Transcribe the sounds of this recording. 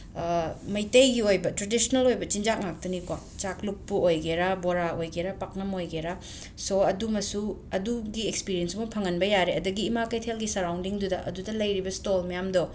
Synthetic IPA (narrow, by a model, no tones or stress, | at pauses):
mɐjtɐjɡiojbɐtɾadisonɐlojbɐt͡ʃind͡ʒak̚nak̚tɐnikwa | t͡ʃakluk̚puojɡeɾaboɾaojɡeɾapak̚nɐmojɡeɾa | soɐdumɐsuɐduɡiekspiɾijensmopʰɐŋɐnbɐjaɾeɐduɡiːmakɐjtʰelɡisɐɾawndiŋdudɐ̰ʔɐ̰dudɐlɐjɾibɐstolmɐjamdo